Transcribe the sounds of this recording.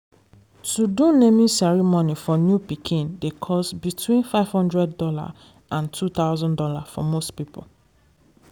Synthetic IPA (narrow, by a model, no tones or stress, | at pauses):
sudũnemĩsɛɹimonifɔnjupikʰĩndekʰɔsbitʰwĩnfaɪv̥hɔ̃ndɹɛddɔla̰ | ʔãntʰut̪aʊzɔ̃ndɔlafɔ̰mostpipo̰